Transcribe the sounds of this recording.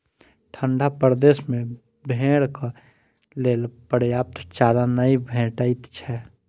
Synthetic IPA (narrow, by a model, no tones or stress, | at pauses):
ʈʰəɳɖʱapəɾd̪eːsmẽ | bʱẽːɽka | leːlpəɾjaːp̚t̪ʰt͡ʃaːɾanəibʱɛ̃ːʈait̪t͡ʃʰɛ